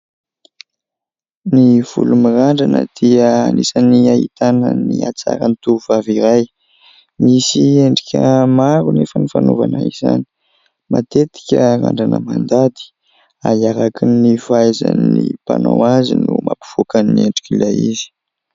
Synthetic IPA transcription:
niv̥ulumiraɳɖ͡ʐanəd̪̥iəanisaniait̪anəniat͡saɾanit̪uuvaviɾaj | misieɳɖ͡ʐikʲʰəmaɾunefənifanuvanaiza̰ni̥ | mat̪et̪i̥kʲəɾa̰ɳɖ͡ʐanəmand̪ad̪i̥ | aiaɾakinːifajza̰nnːipanowazinumʔapi̥v̥ukanːieɳɖ͡ʐi̥kʲilajizi̥

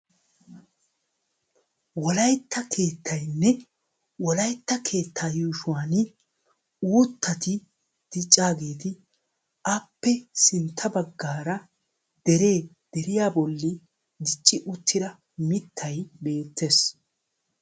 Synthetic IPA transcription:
wɔlɐjt̪ʰːɐkʰe̞ːt̪ʰːɐjnːɛ | wɔlɐjt̪ːɐkʰe̞ːt̪ʰːaːjuːʃʊwaːnɪ | uːt̪ːɐt̪ɪ | d̪̥ɪt͡ʃʼːaːɡe̞ːt̪ɪ | ɐpːɛsɪnt̪ʰːɐbɐɡːaːɾɐ | d̪̥ɛɾe̞ː | d̪̥ɛɾɪjaːbɔlːɪ | d̪ɪt͡ʃʼːɪʔʊt̪ʰːɪd̪ɐ | mɪt̪ʰːɐjbe̞ːt̪ʰːe̞ːs

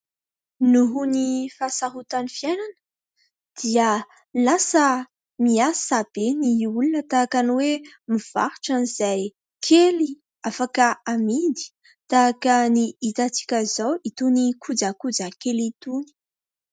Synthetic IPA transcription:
nuɦunifasaɦut̪anifjajnanə̥ | d̪̥iə | lasə | miasab̥eniulunət̪aakanwe | miv̥a̰hʈ͡ʂaniz̥aj | kʰeli | afakəamid̪i̥ | t̪aːkəniit̪at͡si̥kʲəzowit̪unikʰud͡zakud͡zakelit̪uni̥

